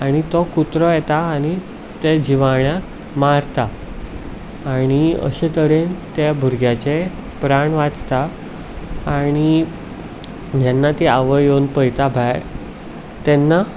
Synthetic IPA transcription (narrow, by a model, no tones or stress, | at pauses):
aɽ̃it̪ɔkut̪ɾɔjɛt̪aːɽ̃i | t̪ed͡ʑiʋaɳjak | maɾt̪a | ɽ̃iə̰ɕet̪əɾent̪ebʱuɾɡjat͡se | pɾaɳʋat͡st̪aː | ɽ̃i | d͡ʑɛnːat̪eaʋəjonpəjt̪abʱaj | t̪ɛnːa